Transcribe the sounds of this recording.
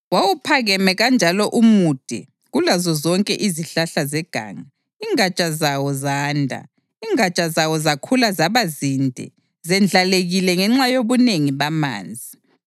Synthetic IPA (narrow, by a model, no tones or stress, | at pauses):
wawupʰaɣɛmɛɣand͡ʒʱalɔʔumud̥ʱḭ | ɣulazɔzɔŋkʼɛʔiziɬaɬazɛɡ̥ʱa̰ːŋa | iŋat͡ʃʼazawɔzaːndʱa̰ | iːŋat͡ʃʼazawɔzakʰulazaβazindʱɛ̰ | zɛnd͡ɮʱaleɣilɛŋɛŋ͡ǁajoβuneŋiβama̰ːnd͡zʱi